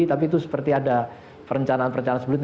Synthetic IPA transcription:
it̪ap̬it̪̬usə̥pərt̪iada | pəɾəɲt͡ʃanaːnpəɾəɲt͡ʃanansəblɪt̪̚

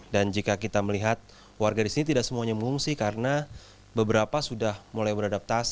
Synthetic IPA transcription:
dand͡ʒikakit̪aməliɦat̪̚ | warɡadisinit̪̬idaʔksəmuaɲaməŋuŋsɪhkaɾəna | bəbəɾapasudahmolajbəɾadap̚t̪as

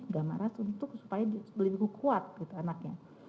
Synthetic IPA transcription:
ɡama̰ɾasunt̪ʊksu̥pajadibəlubikukʰuat̪̚ɡit̪uanak̚ɲa

